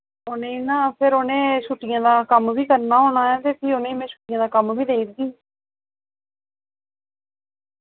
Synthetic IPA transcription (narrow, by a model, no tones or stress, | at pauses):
onẽːĩːnãːpʰɪɾoːnẽːʃuʈɪjãːd̪aːkəmʋiːkəɾnaːɦoːɽ̃aːɛːt̪eːpʰiːonẽːiːmɛ̃ːʃuːʈɪjãːd̪aːkəmʋiːd̪eːiɾɡ̪iː